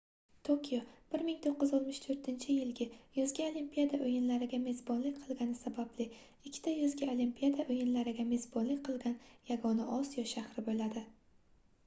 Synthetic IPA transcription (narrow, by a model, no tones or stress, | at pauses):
t̪ʰokʲʰijob̥ɪɾmɪŋt̪ʰoqːɨzɒt̪mɪʃt̪ʰɵɾt̪ʰɪnt͡ʃʰɪjɪlɡʲɪjɒzɡʲaolimpʰʲijad̪aʔojɪnlaɾɪɡʲame̞zbɒnlɪk̚ʲqʰɨlˠɡʲanɪsabablɪ | ɪkʲʰːɪ̥t̪ʰajɒzɡʲaolimpʰʲijad̪aʔojɪnlaɾɪɡʲame̞zbɒnlɪkʲqʰɨlˠɡʲanjaɡɒnaʔɒsijɒʃahɾɪbolad̪ɪ